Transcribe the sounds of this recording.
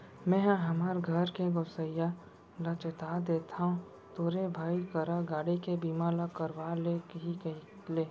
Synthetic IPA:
mɛ̃ːɦɐmaɾɡʱɐɾkeɡoːsəja | ɾət͡ʃət̪aːd̪eːt̪ʰaɦũ | t̪oːɾebʱaːikəɾaɡaːɽikebiːmalakəɾwaːlekɦikəi | leː

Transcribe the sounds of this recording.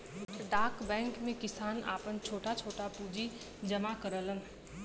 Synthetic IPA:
ɖaːkbɛ̃ːŋkmẽkɪsaːna̰ːpənt͡ʃʰoːʈat͡ʃʰoːʈapuːd͡ʒi | d͡ʒəmakəɾələn

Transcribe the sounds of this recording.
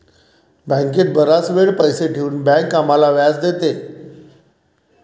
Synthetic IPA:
bə̃ŋket̪̚bəɾasʋeɭpəjseʈʰeuːnbɛ̃ŋkːamalaʋjad͡zd̪et̪e

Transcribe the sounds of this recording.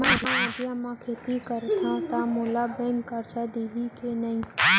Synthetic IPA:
mããad̪jãmãkʰeːt̪ikəɾt̪ʰãt̪amoːlabɛ̃ŋɡkaɾt͡ʃad̪eːɦikenaĩ

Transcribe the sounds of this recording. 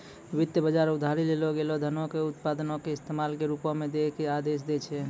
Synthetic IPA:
ʋit̪jəbəd͡ʒaɾud̪ʱaɾileloɡelod̪ʱənokeut̪pad̪ənokeɪst̪emalkeɾupɔ̃med̪ekead̪es̬d̪ɛt͡ʃʰɛ

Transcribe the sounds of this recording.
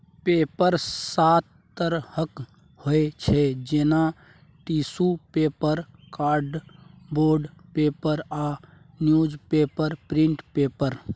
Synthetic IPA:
peːpəɾsat̪ | t̪əɾhək | hoet͡ʃʰed͡ʒeːna | ʈiːsupeːpəɾkaːɾɖboːɾɖpeːpəɾa | njuːd͡ʒpeːpəɾpɾɪ̃ɳʈpeːpəɾ

